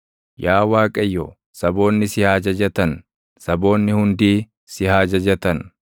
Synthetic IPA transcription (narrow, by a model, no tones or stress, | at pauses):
jaːwaːkʼɐjːɔ̰ | sɐbo̞ːnːɪsɪhaːd͡ʒɐd͡ʒɐt̪ɐn | sɐbo̞ːnːɪhʊnd̪iː | sɪhaːd͡ʒɐd͡ʒɐt̪ɐn